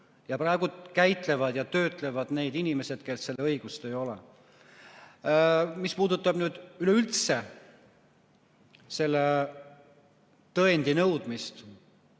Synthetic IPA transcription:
jɑpɾrɑe̞ɡ̥ukæjt̪le̞vɑd̪jɑt̪ø̞ːt̪ˑle̞vɑd̪̥ne̞ːd̪inime̞se̞d̪̥kelsse̞lːeɤjɡ̥ust̪e̞jo̞lḛ | mispuːd̪ut̪ːˑɑb̥nyːd̪̥yleylt̪se̞ | se̞lːe | t̪ɤend̪̥inɤwd̪̥mist̪

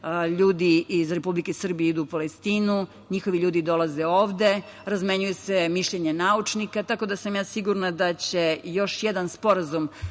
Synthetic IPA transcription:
ʎuːd̪iizɾe̞publikesr̩bijeid̪uːpalest̪iːnu | ɲixo̞ʋiʎuːd̪id̪o̞laze̞oːʋd̪e̞ | ɾazme̞ɲuje̞semiʃʎeɲenaut͡ʃnikat̪ako̞d̪asamjaːsiɡuɾnad̪at͡ɕe̞jo̞ʃjed̪anspo̞ɾazum

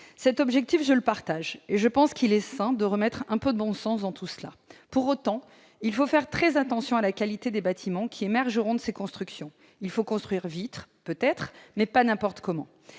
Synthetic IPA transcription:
sɛt̪ɔbʒɛk̚t̪ifʒələpaʁt̪aʒeʒəpɑ̃skʰilɛsɛ̃d̪əʁəmɛt̪χɛ̃pød̪əbɔ̃sɑ̃s̬d̪ɑ̃t̪usla̰puʁot̪ɑ̃ | ilfofɛʁt̪χɛzat̪ɑ̃sjɔ̃alakalit̪ed̪ebat̪ʰimɑ̃kʲʰiemɛʁʒəʁɔ̃d̪əsekɔ̃st̪χyksjɔ̃ | ilfokɔ̃st̪χɥiʁvit̪χpøt̪ɛt̪χmɛpanɛ̃pɔʁt̪kɔmɑ̰̃

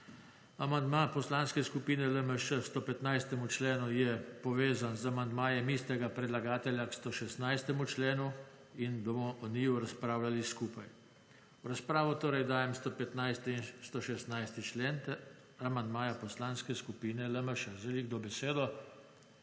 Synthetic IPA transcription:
amand̪maːpɔslanskɛskupiːnɛləməʃəst̪opɛt̪najst̪ɛmut͡ʃleːnujɛpɔʋeːzanzamand̪maːjɛmiːst̪ɛɡapɾɛd̪laɡaːt̪ɛlʲjakst̪oːʃɛst̪najst̪ɛmut͡ʃleːnu | inbɔmɔʔɔniːjuɾaspɾaːwlaliskupaj | wɾaspɾaːʋɔt̪oːɾɛjd̪aːjɛmst̪opɛt̪najst̪nst̪oʃɛst̪najst̪it͡ʃlent̪ | amand̪maːjapɔslaːnskɛskupiːnɛləməʃəzɛliɡ̚d̪obɛseːd̪ɔ

